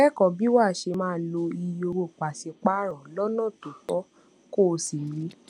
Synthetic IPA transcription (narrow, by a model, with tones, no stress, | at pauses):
ɛ˦˨kɔ˨bi˨˦wa˦˨ʃe˧mãː˦˨lo˧i˧jo˧ɾo˧˨k͡pa˨si˨˧k͡pa˦ɾ̃ɔ̃˨lɔ˦nɔ̃˦˨to˨tɔ˨˦ | ko˦˨˧si˨ɾĩ˨˦